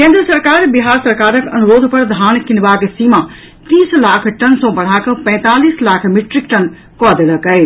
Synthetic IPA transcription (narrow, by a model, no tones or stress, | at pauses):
kẽnd̪ɾəsɐɾkaːɾbiɦaːɾsɐɾkaːɾəkʰɐnuɾoːd̪ʱpɐɾd̪ʱaːnkinbaːksima | t̪iːslaːkʰʈɐnsõbɐɽ̤aːkɐ̃pɐ̃ːt̪aːliːslaːkʰmiʈɾikʈɐn | kɔd̪eləkəi